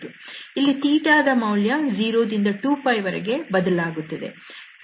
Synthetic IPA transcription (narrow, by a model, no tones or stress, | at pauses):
t̪uilːit̪iːʈaːd̪ɐmɐwljɐd͡ʒiːɾoːd̪ind̪ɐʈuːpʰɐjʋɐɾɛ̰ɡe̞bɐd̪ɐlaːɡut̪ːɐd̪e̞̰